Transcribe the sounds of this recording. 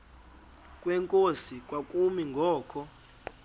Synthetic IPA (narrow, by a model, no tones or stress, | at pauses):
kʼwɛŋkʼosikʼwakʼumiŋɡʱɔːkʰɔ